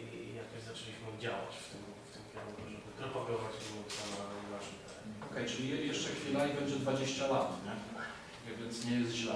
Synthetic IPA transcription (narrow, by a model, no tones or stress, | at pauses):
ijakɔɕzat͡ʂɛlʲiɕmɨd͡ʑawat͡ɕft̪ɪm | ft̪ɪmkʲɛɾuuʐɛbɨpɾɔpaɡɔvat͡ɕminut̪samavaʐit̪aɾɛ̰ɔkɛjt͡ʂɘlʲijɛʂt͡ʂɛxfʲilaibɛɲd͡ʑɛd̪vad͡ʑeɕt͡ɕalat̪ɲɛ | vɛvʲjɛnt̪sɲɛjɛst̪ʑlɛ